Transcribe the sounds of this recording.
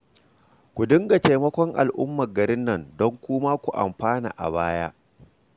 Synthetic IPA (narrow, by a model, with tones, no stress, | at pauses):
kʷu˨dɪ˦ŋɡa˨te˨mɐ˦kʷɔ˦ŋʔa̰˨lʔʊ̰˦mːɐ˨ɡɐ˨ɾɪ˦nːɐ˦˨ndɔ˦ŋkʷʊː˦maː˦kʷu˨ʔa̰˨mɸaː˦na̰ː˨ʔa̰˨baː˦jaː˦ʔ